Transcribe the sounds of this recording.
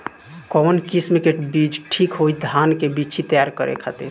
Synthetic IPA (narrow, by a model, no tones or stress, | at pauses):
kɔmənkismekeʈbid͡ʒʈʰikɦojd̪ʱankebit͡ʃʰit̪əjaɾkəɾḛkʰat̪e